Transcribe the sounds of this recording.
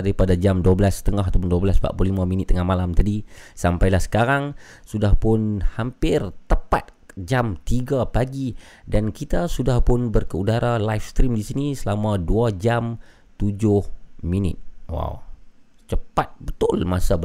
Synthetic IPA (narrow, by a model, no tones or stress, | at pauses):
daɾipadad͡ʒamduabəlasə̥t̪əŋaɦt̪awp̬ʊnduabəlasba̰ʔpʊlimãminɪt̪ːəŋahmalamt̪adisampajlahsə̥kaɾaŋ | sudahpʊnhampɪrt̪əpa̰t̪̚d͡ʒamt̪iɡapaɡi | dankit̪asudahpʊnbərkəudaɾalajfst̪ɾimdisinisəlamaduad͡ʒam | t̪ud͡ʒʊhminɪ̰t̪̚wa̰wt͡ʃəpat̪̚bət̪ʊlmasab